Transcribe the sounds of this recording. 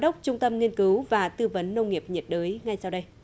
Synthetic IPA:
ɗə˦˥wk͡p̚t͡ɕʊ˧ŋ͡mt̪ə˧mŋi˧ənkɨ˨˦wvaː˨˩t̪ɨ˧və˨˦nːə˧wŋ͡mŋi˨˩əp̚ɲi˨˩t̚ɗəː˨˦jŋa˨˩jsa˧wɗə˧j

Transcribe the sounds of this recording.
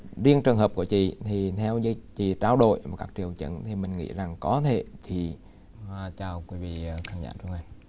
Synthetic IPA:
zi˧əŋt͡ɕɨ˨˩əŋhɦəː˨˩p̚ku˧˩ət͡ɕḭ˧˨t̪ʰi˨˩t̪ʰɛ˧wzə˧jt͡ɕḭ˧˨t͡ɕaː˧wɗo̰˧˨jaː˨˩kaː˦˥k̚t͡ɕi˧˨˩əwt͡ɕə̰˧˥nt̪ʰi˨˩mï˨˩ŋ̟ŋḭ˧˥za˨˩ŋkɔ˨˦t̪ʰe˧˩t̪ʰi˨˩˨ | t͡ɕaː˨˩wkwi˨˦vḭ˧˨˩xaː˧ŋza̰ː˧˩t͡ɕʊ˧˦ŋ͡mʔa˨˧˩n

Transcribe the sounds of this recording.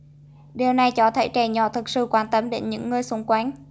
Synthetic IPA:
ɗi˨˩əwna˨˩jt͡ɕɔ˧˩t̪ʰə˧˩jt͡ɕɛ˨˩ɲɔ̰˧˩t̪ʰɨ˨˩k̚sɨ̰˧˨kwaː˧nt̪ə˧mɗe˨˦nɲɨ̰˧˥ŋːɨ˧əjsʊ˧˦ŋ͡mkwaː˨˦n

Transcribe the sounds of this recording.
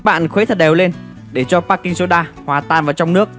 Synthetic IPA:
ɓa̰ː˧˨nxwe˨˦t̪ʰə˨˩t̚ɗɛː˨˩wle˧n | ɗe˧˩t͡ɕɔ˧paː˦˥kːi˧ŋ̟so˨˦ɗaː˧hwaː˨˩t̪aː˧˩nvaː˨˩wt͡ɕɔ˧wŋ͡mnɨ˦˥ək̚

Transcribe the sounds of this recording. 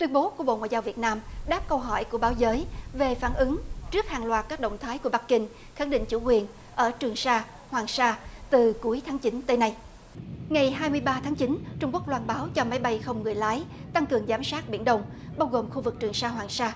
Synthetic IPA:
t̪wi˧ənɓo˨˦ku˧˩əɓo̰˧˨ŋwaː˧˨jzaː˧wvi˨˩ət̚naː˧mɗaː˦˥p̚kə˧wɦɔ̰˧˩jku˧˩əɓaː˨˦wzəː˨˦jve˨˩faː˧˩nʔɨ˨˦ŋt͡ɕɨ˦˥ək̚haː˨˩ŋlwaː˨˩t̚kaː˦˥k̚ɗə̰˧˨wŋ͡mt̪ʰaː˨˦jku˧˩əɓa˦˥k̚kï˧ŋ̟ | xaː˧˩ŋɗḭ˧˨ŋ̟t͡ɕṵ˧˩kwi˨˩ən | ʔəː˧˩t͡ɕɨ˨˩əŋsaː˧ | hwaː˨˩ŋsaː˧t̪ɨ˨˩ku˨˦əjt̪ʰaː˨˦ŋt͡ɕi˨˦nt̪əː˨˦na˧j | ŋa˨˩jɦaː˧jmɨ˧əjɓaː˧t̪ʰaː˨˦ŋt͡ɕi˨˦nt͡ɕʊ˧ŋ͡mku˦˥k̚lwaː˧nɓaː˨˦wt͡ɕɔ˧ma˨˦jɓa˧jxə˧wŋ͡mŋɨ˨˩əjlaː˨˦jt̪a˧ŋkɨ˨˩əŋzaː˨˦msaː˦˥t̚ɓi˧˩ənɗə˧wŋ͡m | ɓaː˧wɣo˨˩mxu˧vɨ˨˩k̚t͡ɕɨ˨˩əŋsaː˧ɦwaː˨˩ŋsaː˧

